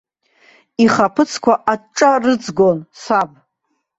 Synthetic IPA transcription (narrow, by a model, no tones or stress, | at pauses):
iχapʰɨt͡sʰkʷʰaʔaʈ͡ʂʼarɨd͡zɡʷonsabʼ